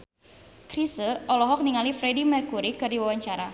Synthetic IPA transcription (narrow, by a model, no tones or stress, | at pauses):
kɾisəʔɔlɔɦɔk̚niŋalifɾedimɛrkuɾikɨrdiwawaɲt͡ʃaɾa